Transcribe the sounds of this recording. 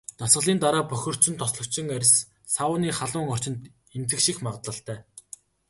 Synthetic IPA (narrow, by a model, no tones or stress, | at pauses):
t̪asɢə̆ɮiːnt̪aɾaːpœxʲɵ̆r̥t͡ɕɵ̆nt̪ʰːɔsɮɞ̆kt͡ɕɪ̆ŋæɾ̆ʲs | saʊːniːχaɮʊːŋɔr̥t͡ɕɪ̆nt̪ | ent͡sɘ̆kʃixmaʁt̪ɮə̆ɬt̪ʰæː